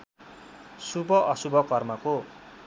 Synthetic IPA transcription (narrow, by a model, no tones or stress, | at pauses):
subʱʌʔʌsubʱʌkʌrmʌko